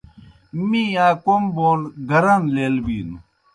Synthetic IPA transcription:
mĩːaːkomboːlɡɐɾɐnleːlbiːnu

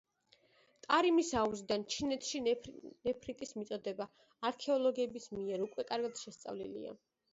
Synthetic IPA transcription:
t̪ʼaɾimisauzid̪ant͡ʃʰinɛt̪ʰʃinɛpʰɾit̪ʼismit̪sʼɔd̪ɛbaː | ɾkʰɛɔlˠɔɡɛbismiɛɾukʼwɛkʼaɾɡad̪̥ʃɛst̪sʼa̰vlḭlḭa̰

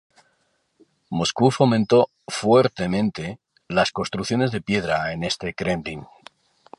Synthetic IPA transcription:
mo̞skufo̞mẽnt̪o̞ | fweɾt̪e̞mẽ̞nt̪e̞ | lasko̞nst̪ɾukθjo̞ne̞zðe̞pje̞ðɾaene̞st̪e̞kɾend̪iŋ

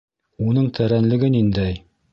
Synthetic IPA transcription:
unɤɴt̪ʰæɾænlɘ̆ɡɘnind̪æj

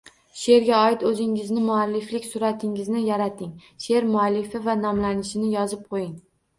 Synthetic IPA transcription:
ʃe̞ɾɡʲaɒɪt̪ɵzɪŋɪznɪmʊalːɪflɪkʲsʊɾat̪ʰɪŋɪznɪjaɾat̪ʰɪŋʃe̞ɾmʊalːɪfɪvanɒmlanɪʃɪnɪjɒzɪp̚qʰojɪŋ

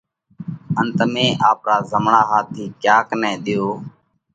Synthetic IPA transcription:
ənt̪mẽːʔaːpɾaːzəmɳaːɦaːt̪ʰiːkjaːknɛ̃ːɗ̪ɪjoː

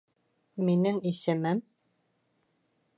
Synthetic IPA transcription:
minɘŋisɘ̆mɘm

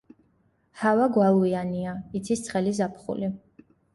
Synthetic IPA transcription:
havaɡwalˠuianiait̪sʰist̪sʰχɛlizapʰχṵli

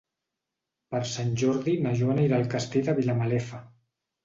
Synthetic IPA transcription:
pəɾsanʲʒɔɾðinaʒonaiɾalˠkast̪ed̪əβilamalɛfa

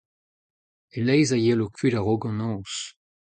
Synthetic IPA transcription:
elɛjzajelokʰɥyɾaʁoɡɑ̃nɔ̃ːs

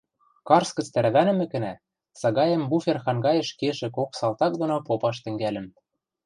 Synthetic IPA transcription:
kɑrskɤ̆t͡st̪æɾβænɘ̆mɘ̆kɘ̆næ | sɑɣɑjɤ̆mbufʲerxɑŋɡɑjə̆ʃkeʒɘ̆koksɑlˠt̪ɑk̚d̪onopopɑʃt̪ɘ̆ŋɡælɘ̆m

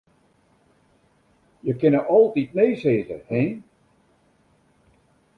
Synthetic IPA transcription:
jəkɪnəʔɔlˠtit̚neːseːzə̰hɛ

